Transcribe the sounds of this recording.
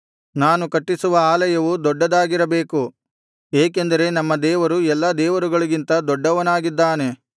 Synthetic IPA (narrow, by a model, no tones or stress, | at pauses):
naːnukɐʈːisuʋɐaːlɐjɐʋud̪ɔɖːɐd̪aːɡiɾɐbe̞ːku | eːkend̪ɐɾe̞nɐmːɐd̪ɛːʋɐɾuɛlːɐd̪ɛːʋɐɾuɡɐɭuɡint̪ɐd̪ɔɖːɐʋɐnaːɡid̪ːaːne̞